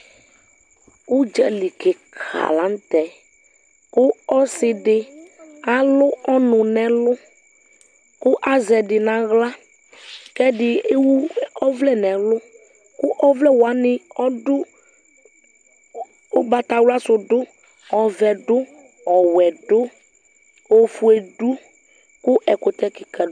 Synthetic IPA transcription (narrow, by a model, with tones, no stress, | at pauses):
u˦d͡ʒɛ˦li˨ke˨kʰa̰˨lã˨˦n˦t̪ɛ˨ | kʊ˦ɔ˦sɪ˨ɖɪ˨a˨lʊ˦ɔ˦nʊ̃˨nɛ̃˨lʊ˦ | kʊ˦ʔa˦zɛ˨ɖɪ˨nã˨ɣla˦ | kɛ˦ɖɪ˨e˦wu˦ɔ˦vlɛ˦˨nɛ̃˨lʊ˦ | kʊ˦ʔɔ˦vlɛ˦wa˨˦nɪ˨ɔ˦dʊ˦ | ʊ˨˦ba˨ta˨wlʊ˦a˦sʊ˨dʊ˦ | ɔ˨vɛ˨dʊ˦ | ɔ˨wɛ˨dʊ˦ | o˨fu˨e˨du˦ | kʊ˦ʔɛ˨kʊ˨t̪ɛ˨˦kɪ˨ka˨